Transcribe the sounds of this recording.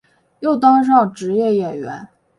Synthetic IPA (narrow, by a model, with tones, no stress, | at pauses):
jo˥˩ʊt̪ɑ˥ŋʂ̬ɑ˥˩ŋʈ͡ʂɻ̩˧˥jɛ˥˩jɛ˨˩nɥɛ̰˧˥n